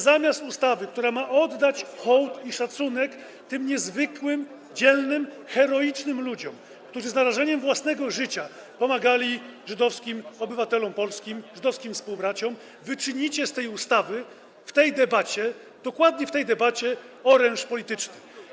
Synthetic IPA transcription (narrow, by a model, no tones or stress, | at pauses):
zamʲjast̪ust̪avɘkt̪uɾamaʔɔd̪ːat͡ɕxɔwt̪iʂat̪sunɛk | t̪ɘmɲɛzvɘkwɘm | d͡ʑɛlnɘm | xɛɾɔit͡ʂnɘmlud͡ʑɔm | kt̪uʐɘznaɾaʐɛɲɛmvwasnɛɡɔʐɘt͡ɕa | pɔmaɡalʲiʐɘd̪ɔfskʲimɔbɘvat̪ɛlɔmpɔlskʲimʐɘd̪ɔfskʲimfspuwbɾat͡ɕɔm | vɘt͡ʂɘɲit͡ɕɛst̪ɛjust̪avɘ | ft̪ɛjd̪ɛbat͡ɕɛ | d̪̥ɔkwad̪ɲɛft̪ɛjd̪ɛbat͡ɕɛ | ɔɾɛnʂpɔlʲit̪ɘt͡ʂnɘ